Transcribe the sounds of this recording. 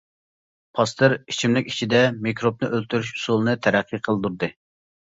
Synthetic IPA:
pʰɑst̪ɨɾit͡ʃʰimlɪkʲi̥t͡ʃʰid̪ɛmikɾop̚nɨʔølt̪ʰyɾyʃu̥sulˠɨnɨt̪ʰɛɾæqʰːiqʰəlˠd̪uɾd̪ɨ

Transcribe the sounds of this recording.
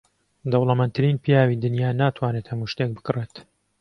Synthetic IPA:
d̪ɐwlˠɐmɛnt̪ʰɨɾiːnpʰijaːwid̪ɨnjaːnaːt̪ʰwaːnet̪hɐmuʃt̪ek̚bɨ̥kɨreːt̪

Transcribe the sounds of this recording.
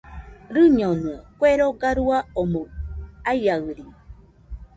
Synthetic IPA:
ɾɨɲonũakweɾoɡaɾuaomoaiaɯɾi

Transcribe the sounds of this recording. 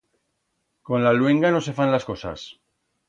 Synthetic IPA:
ko̞nlalweŋɡano̞se̞fanlasko̞sa̰s

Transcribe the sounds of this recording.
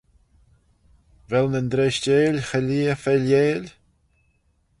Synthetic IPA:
vɛlnənd̪ɾeʃteːlʲxəliːəfɛljeːlʲ

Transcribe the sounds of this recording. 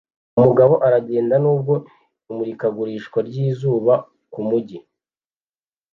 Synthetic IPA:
umuɡaβo̞ʔaɾaɟe̞ːndanuːb̚ɡo̞ | imuɾikaɡuɾiːʃkwaɾɟiːzuːβa | kumuɟi

